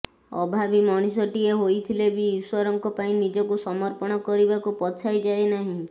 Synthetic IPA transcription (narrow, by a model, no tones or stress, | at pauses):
ɔ̰bʱabimɔɽ̃isɔʈieɦojt̪ʰilebiːswɔɾɔŋkɔpaĩnid͡ʒɔkusɔmɔɾpɔɽ̃ɔkɔɾibakupɔt͡ʃʰajd͡ʒaenaɦĩ